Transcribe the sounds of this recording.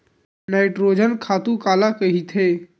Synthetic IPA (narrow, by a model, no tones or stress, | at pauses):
naːɪʈɾoːd͡ʒənkʰaːt̪ũkaːlakɐɦit̪ʰɦeː